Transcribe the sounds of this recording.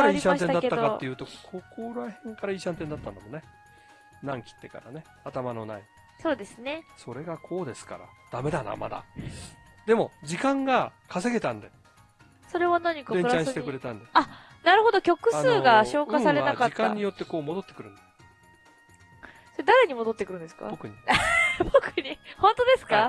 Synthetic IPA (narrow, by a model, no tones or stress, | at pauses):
kaɾaiiɕãnt̪e̞naateːad̪okatːe̞jɯːt̪o̞kʰo̞koɾahẽ̞ŋkaɾaiːɕãnt̪ẽnd̪at̪ːand̪amo̞ne̞ | nãŋkʲi̥t̪ːe̞ka̰ɾa̰ne̞ | at̪amano̞nai | so̞ːd̪e̞sɨne̞so̞ɾe̞ɡakʰo̞ːd̪e̞sɨ̥ka̰ɾa̰d̪̥ame̞d̪ana̰ma̰d̪a̰ | d̪e̞mo̞d͡ʑikãŋɡakʰase̞ɡe̞t̪ãnd̪e | so̞ɾe̞βanaɲ̟ikaẽɲɾt͡ɕaãɕit̪ekɯ̟ɾe̞t̪ãnd̪ea | naɾɯ̟ho̞d̪o̞kʲo̞kɯ̟sɨːɡaɕo̞ːkasaɾe̞nakaikãɲɲːijo̞t̪ːe̞ko̞ːmo̞d̪o̞t̪ːekɯɾɯ̟̃nd̪e | soed̪aɾe̞ɲ̟imo̞d̪o̞t̪ːekɯ̟ɾɯ̟̃nd̪esɨ̥ka̰bokɯ̟ɲibokɯɲihõ̞nt̪o̞d̪e̞sɨ̥ka